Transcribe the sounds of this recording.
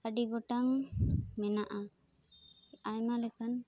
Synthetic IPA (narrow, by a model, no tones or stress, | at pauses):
əɖiɡɔʈaŋmɛnaʔa | ajmalɛkan